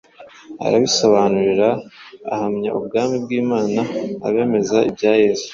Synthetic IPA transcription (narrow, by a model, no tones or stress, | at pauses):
a̰ɾa̰βisoβanuɾiɾa̰ːhamɲaʔubɡaːmib̚ɡiːmaːna̰ːβe̞ːme̞zaibɟaːjeːzu